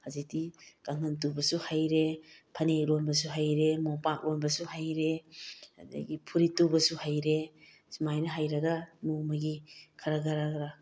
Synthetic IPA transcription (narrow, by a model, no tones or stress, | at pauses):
hazik̚tikaŋɐntubɐsuhajɾepʰɐnelonbɐsuɦajɾemopak̚lonbɐsuɦajɾeadɐ̰ɡipʰuɾitubɐsuhajɾe | sumajnɐɦajɾɐɡɐmumɐɡikʰaɾaɡaɾaɡɾa